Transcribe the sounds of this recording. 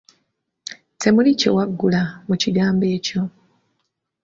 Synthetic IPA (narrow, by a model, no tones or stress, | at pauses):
tʰe̞mulico̞̰waɡːulamuciɡaːmbe̞ːco̞